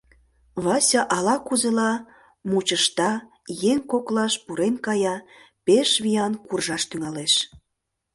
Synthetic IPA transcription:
βɑsʲɑʔɑlɑkuzelɑ | mut͡ɕəʃt̪ɑ | jeŋkoklɑʃpuɾenkɑjɑ | peʃβijɑnkurʒɑʃt̪yŋɑleʃ

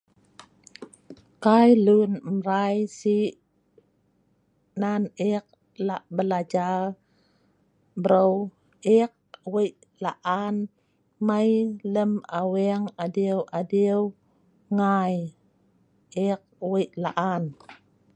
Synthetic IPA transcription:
kajlunmɾajsiʔ | nanik̚ | laʔbəlad͡ʒar | bəɾow | ik̚wiʔ | laʔan | majləmawɛŋadiəwʔadiw | ŋaj | ik̚wiʔlaʔan

